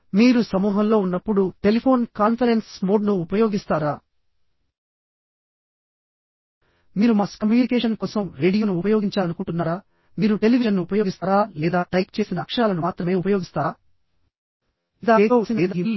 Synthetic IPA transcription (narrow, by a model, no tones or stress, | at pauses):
miːɾusɐmuːɦɐmlo̞ːunːɐpːuɽuʈe̞lipʰo̞ːnkaːnpʰɐɾensmoːɖnuːpɐjo̞ːɡist̪aːɾaː | miːɾumaːskɐmjuːnikɛːʂɐnkɔːsɐmɾe̞ːɖijoːnuːpɐjoːɡiɲt͡ʃaːlɐnukuɳʈunːaːɾaː | miːɾuʈeliʋiʃɐnːuupɐjoːɡist̪aːɾaːlɛːd̪aːʈɐjkt͡ʃe̞ːsinɐːkʂɐaːlɐnumaːt̪ɾɐme̞ːupɐjoːɡist̪aː | id̪aːeosinɐːd̪ɐi